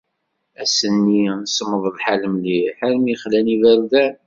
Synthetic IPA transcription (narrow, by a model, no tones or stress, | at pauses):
æsənːisəmːəðˤlħaləmliħalmiχlæniðəɾðæɾ